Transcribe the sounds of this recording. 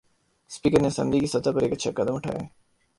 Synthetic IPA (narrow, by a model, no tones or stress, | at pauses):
spiːkəɾnesɐ̰̃nd̪ikisɐt̪apɐɾeːkɐtːʃʰakɐd̪əmʊʈʰa̰ːja